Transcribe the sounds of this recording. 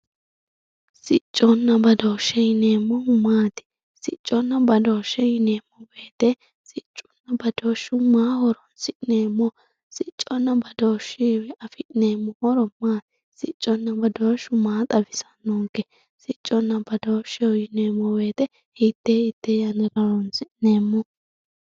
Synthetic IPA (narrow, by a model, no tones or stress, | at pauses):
sɪt͡ʃʼːɔnːɐbɐd̪oːʃːɛjɪneːmːɔʊmaːt̪ɪ̥ | sɪt͡ʃʼːɔnːɐbɐd̪oːʃːɛjɪneːmːɔbe̞ːt̪ɛ | sɪt͡ʃʼːɔ̥nːɐbɐd̪oːʃʊmaːhɔɾɔnsɪʔneːmːɔ | sɪt͡ʃʼːɔnːɐbɐd̪oːʃɪɐfɪʔneːmːɔhɔɾɔmaːt̪ɪ̥ | sɪt͡ʃʼːɔnːɐbɐd̪oːʃʊmaːt̪ʼɐbɪsɐ̥nːoːŋkːɛ | sɪt͡ʃʼːɔnːɐbɐd̪oːʃɛɔjɪneːmːɔbe̞ːt̪ɛ | hɪt̪ːeːɪt̪ːejɐnɛɾɐɾɔnsɪʔneːmːɔ